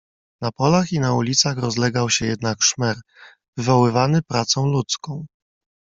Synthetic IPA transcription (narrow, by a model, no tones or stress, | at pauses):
napɔlaxinaulʲit̪saxɾɔzlɛɡawɕɛjɛd̪nakʂmɛɾ | vɘvɔwɘvanɘpɾat̪sɔ̃w̃lut̪skɔ̃w̃